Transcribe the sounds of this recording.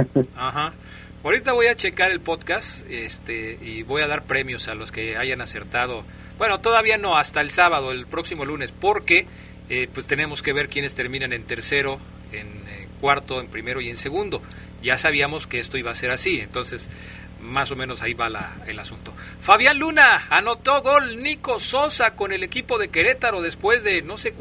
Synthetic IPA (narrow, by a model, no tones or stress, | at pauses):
axa | awɾit̪aβo̞jat͡ʃe̞kaɾe̞lpo̞ðkast̪est̪eiβo̞jaðaɾpɾe̞mjo̞salo̞ske̞aʝanase̞ɾt̪að̞o̞ | b̥we̞no̞t̪o̞ðaβ̞iano̞ast̪aelsaβað̞o̞elpɾo̞ksimo̞lune̞spo̞ɾke̞ | epwe̞st̪e̞nemo̞ske̞β̞e̞ɾkje̞ne̞st̪e̞ɾmĩnene̞nt̪e̞ɾse̞ɾo̞ | en | kwaɾt̪o̞empɾime̞ɾo̞ie̞nse̞ɣund̪o̞ | ʝasaβ̞iamoskeest̪o̞iβase̞ɾasie̞̰nt̪o̞nse̞s | maso̞mẽno̞saiβala̰elasunt̪o̞ | faβjanlunaːno̞t̪o̞ɣo̞lniko̞so̞sako̞ne̞le̞kipo̞ðe̞ke̞ɾe̞t̪aɾo̞ðe̞spwe̞zðe̞no̞sek